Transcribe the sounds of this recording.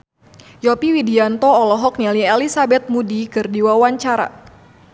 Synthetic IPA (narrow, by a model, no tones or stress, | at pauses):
jɔpiwidiant̪ɔːlɔɦɔk̚niliɛlisabɛt̪̚mudikɨrdiwawaɲt͡ʃaɾa̰